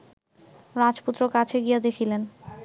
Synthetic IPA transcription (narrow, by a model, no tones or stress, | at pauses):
ɾad͡ʑput̪ːɾokat͡ɕʰeɡijed̪ekʰilen